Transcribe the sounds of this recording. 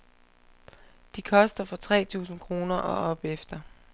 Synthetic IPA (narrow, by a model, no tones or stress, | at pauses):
d̥ikʰɒ̽sd̥ɐfɒ̽t͡sʰʁɛ̰ːt͡sʰṵːsn̩kʰʁo̝ːnɐʔɒ̽ɒ̽b̥efd̥ɐ